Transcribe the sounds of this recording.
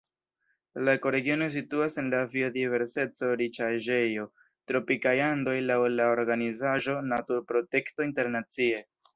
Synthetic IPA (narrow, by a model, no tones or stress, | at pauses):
lako̞ɾe̞ɡio̞no̞s̬ituase̞nlavio̞dive̞ɾse̞t͡so̞ɾit͡ʃaʒe̞jo̞ | tɾo̞pikajando̞jlawlaoɾɡanizaʒo̞natuɾpɾo̞te̞kto̞inte̞ɾnat͡sie̞